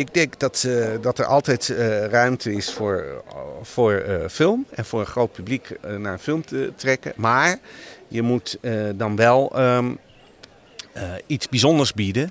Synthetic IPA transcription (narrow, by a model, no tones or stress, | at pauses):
ɪɡ̚dɛŋkdɑtdɑtɛɹʔɑ̰lˠtɛjtrœɥmtʰəɪsfʊːɹv̥ʊːɹfɪlˠmɛnv̥ʊːɹə̃nχrowt̚pybliknaːɹənfɪlˠmtətrɛkə̰maːɹjəmutdɑnʋɛlˠ | itzbizondəɹzbidə